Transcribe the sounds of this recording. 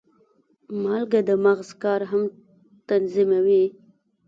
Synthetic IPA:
mɑlɡad̪əmaɣzkɑɾɦam | t̪anzimawi

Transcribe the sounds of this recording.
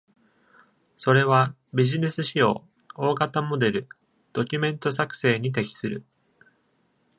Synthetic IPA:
so̞ɾe̞βa | bʲiʑine̞sɨɕio̞̰ː | o̞ːɡat̪amo̞d̪e̞ɾɯ̟ | d̪̥o̞kʲɯmẽ̞nt̪o̞sakɯ̟̥se̞ːɲ̟it̪̬e̞kʲi̥sɨɾɯ̟̰

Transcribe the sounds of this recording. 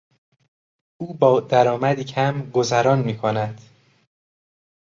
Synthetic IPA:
uːbɒːd̪æɾɒːmæd̪iːcʰæmɡozæɾɒːnmiːkʰonæd̪̥

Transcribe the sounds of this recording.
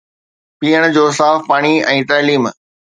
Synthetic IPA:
piːəɽ̃d͡ʑoːsaːfpaːɽ̃iɛ̃ːt̪aːliːm

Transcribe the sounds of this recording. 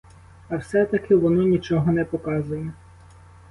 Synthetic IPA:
ɐwsɛt̪ɐkɪʋɔnɔnʲit͡ʃɔɦɔnɛpɔkɑzʊjɛ

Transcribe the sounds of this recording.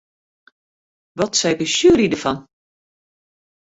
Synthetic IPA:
ʋɔtsɛjkəʃyːɾidəfɑn

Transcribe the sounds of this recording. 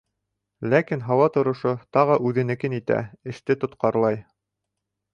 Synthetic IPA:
lækinɦɑwɑt̪ŏɾŏʃot̪ɑʁɤʔʉðɘ̆nɘ̆kɘnit̪æ̰ɘ̆ʃt̪ɘt̪ŏt̪qɑɾlˠɑj

